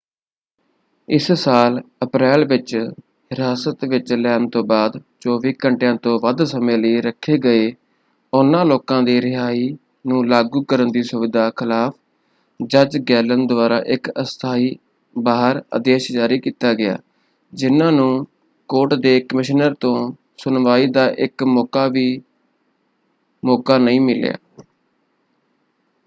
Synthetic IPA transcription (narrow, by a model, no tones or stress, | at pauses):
ɪssaːləpɾɛːlʋɪt͡ʃ | ɦɪɾaːsət̪ʋɪt͡ʃlɛːnt̪õːbaːd̪t͡ʃoːʋiːkəɳʈjãːt̪õːʋəd̪səmẽːləiːɾəkʰːeːɡəeː | ʊnːãːloːkãːd̪iːɾɪɦaːiː | nũːlaːɡuːkəɾənd̪iːsʊʋɪd̪ʱaːkʰɪlaːpʰ | d͡ʒəd͡ʒɡɛːlənd̪ʊʋaːɾa̰ːʔɪkəst̪ʰaːiː | baːɦəɾə̰d̪eːʃd͡ʒaːɾiːkiːt̪aːɡɪa̰ː | d͡ʒɪnãːnũː | koːʈd̪eːkəmɪʃnəɾt̪õː | sʊnʋaːiːd̪aːʔɪkmɔːkaːʋiː | mɔːkaːnəĩːmɪlja̰ː